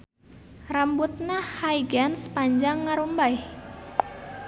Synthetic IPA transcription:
rambut̪̚nahhaiɡansə̥paɲd͡ʒaŋːaɾumbaj

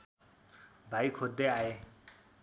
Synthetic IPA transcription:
bʱajkʰod̪ʱːeae

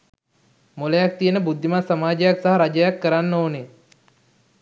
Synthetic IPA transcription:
moləjak̚t̪ijənəbud̪ʱːimasamaːd͡ʒəjaksaɦaɾad͡ʒəjakːəɾanːoːne

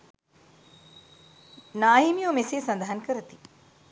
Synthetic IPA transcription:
naːɦimijomeseːsand̪aɦankəɾət̪i

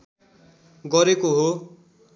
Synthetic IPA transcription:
ɡʌɾekoɦo

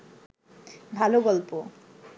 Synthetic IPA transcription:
bʱaloɡɔlpo

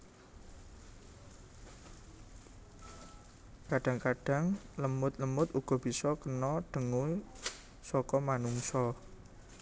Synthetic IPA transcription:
kaɖ̥a̤ŋkaɖ̥a̤ŋləmʊt̪̚ləmʊt̪uɡ̥ɔ̤b̥isɔkənɔɖ̥ə̤ŋu | sɔkɔmanuŋsɔ

